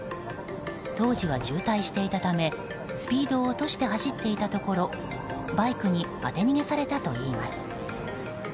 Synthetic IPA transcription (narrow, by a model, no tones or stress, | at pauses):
t̪o̞ːʑiβ̞ad͡ʑɨːt̪aiɕi̥t̪e̞it̪at̪ame̞ | sɨ̥pʲiːd̪o̞ːt̪o̞ɕi̥t̪e̞ɦaɕit̪ːe̞it̪at̪o̞ko̞ɾo̞ | baikɯ̟ɲ̟ima̰t̪e̞ɲ̟iɡe̞saɾe̞t̪at̪o̞̰iːmasɨ̥